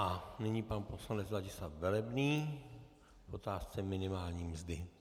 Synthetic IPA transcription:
ʔanɛɲipanposlanɛd͡zzaɟɪsat̪vɛlɛbniː | fot̪aːst͡sɛmɪnɪmaːlɲiːmzdɪ

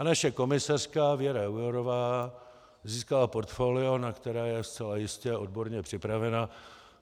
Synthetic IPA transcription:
naʃɛko̞mɪsar̝̥kavɪjɛɾaujoɾo̞vaː | ziːskalapo̞ɾt̪foːlɪo̞nakt̪ɛɾaːjɛst͡sɛlajɪscɛʔo̞d̚bo̞ɾɲɛpr̝̥ɪpɾavɛna

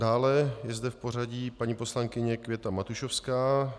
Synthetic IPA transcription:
daːlɛjɛzd̪ɛfpo̞r̝aɟiːpaɲiːpo̞slaŋkɪɲɛkvʲjɛt̪amat̪uʃofskaː

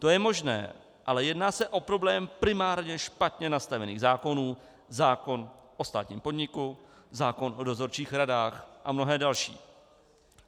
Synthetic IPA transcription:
t̪o̞jɛmo̞ʒnɛ̰ː | ʔalɛjɛdnaːsɛʔo̞pɾo̞blɛːmpɾɪmaːɾɲɛʃpat̪ɲɛnast̪avɛniːɣzaːko̞nuː | zaːko̞nʔo̞st̪a̰ːt̪ɲḭːmpo̞dɲɪku | zaːko̞nʔo̞do̞zo̞ɾt͡ʃiːxɾadaːxʔamno̞ɦɛːdalʃḭː

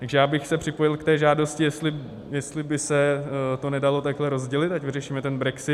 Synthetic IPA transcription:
t̪aɡʒɛjaːbɪxsɛpr̥ɪpo̞jɪlkt̪ɛːʒaːdo̞scɪjɛslɪ | jɛst̪lɪbɪsɛt̪o̞nɛdalo̞t̪aɡɦlɛɾo̞zɟɛlɪt̪acvɪrɛʃiːmɛt̪ɛnbɾɛksɪ

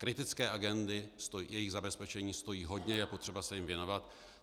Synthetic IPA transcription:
kɾɪt̪ɪt͡skɛːʔaɡɛnd̪ɪst̪ojɛjɪɣzabɛspɛt͡ʃɛɲiːst̪o̞jiːɦo̞dɲɛjɛpo̞t̪r̥ɛbasɛjɪmvjɛno̞vat̪

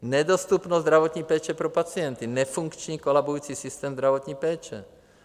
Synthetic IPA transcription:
nɛd̪ost̪upnozd̪ɾaʋot̪ɲiːpɛːt͡ʃɛpɾopat͡sɪɛnt̪inɛfuŋkt͡ʃɲiːkɔlabujuːt͡sisist̪ɛːmzd̪ɾavɔt̪ɲiːpɛːt͡ʃɛ̰

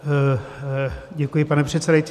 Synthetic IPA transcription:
ɟɛkujɪpanɛpr̥ɛt̪sɛdajt͡s

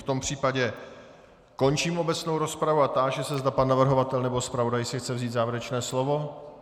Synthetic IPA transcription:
ft̪o̞mpr̝̥iːpaɟɛ | ko̞nt͡ʃiːmʔo̞bɛt͡snowɾo̞spɾavuat̪aːʒɛsɛzd̪apanːavr̩ɦo̞vat̪ɛlnɛbo̞spɾavo̞dajsɪxt͡sɛvziːt̪zaːvɛɾɛt͡ʃnɛːslovo̞

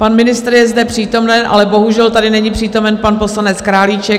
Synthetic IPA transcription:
panmɪnɪst̪ɾjɛzdɛpr̥iːt̪o̞mnɛnʔa̰lɛbo̞ɦuʒɛlt̪adɪnɛɲipr̥iːt̪o̞mɛnpanpo̞slanɛt͡skɾaːlit͡ʃɛ

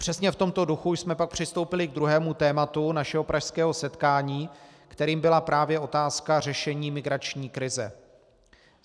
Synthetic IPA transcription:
pr̥ɛsɲɛft̪o̞mt̪o̞duxujsmɛpak̚pr̝̥ɪst̪o̞wpɪlɪɡ̚d̪ɾuɦɛːmut̪ɛːmat̪unaʃɛɦo̞pɾʔaʃskɛːɦo̞sɛt̪kaːɲiːkt̪ɛɾiːmbɪlapɾaːvjɛʔo̞t̪aːskar̝ɛʃɛɲiːmɪɡɾat͡ʃɲiːkɾɪzɛ̰

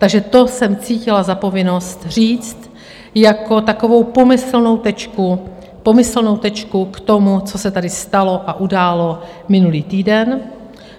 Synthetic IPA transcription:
t̪aɡʒɛt̪o̞sɛmt͡siːcɪlazapo̞vɪno̞st̪r̝iːt͡st̪ | jako̞t̪ako̞vo̞wpo̞mɪsl̩no̞wt̪ɛt͡ʃku | po̞mɪsl̩no̞wt̪ɛt͡ʃkukt̪o̞mut͡so̞sɛt̪adɪst̪alo̞ʔaʔudaːlo̞ | mɪnuliːt̪iːdɛn

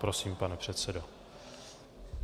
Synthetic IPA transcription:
pɾosiːmpanɛpr̝̥ɛt̪sɛdo

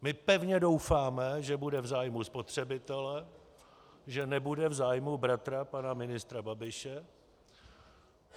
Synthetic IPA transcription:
mɪpɛvɲɛdowfaːmɛʒɛbudɛvzaːjmuspo̞t̪r̝̥ɛbɪt̪ɛlɛ | ʒɛnɛbudɛvzaːjmubɾat̪ɾapanamɪnɪst̪ɾababɪʃɛ

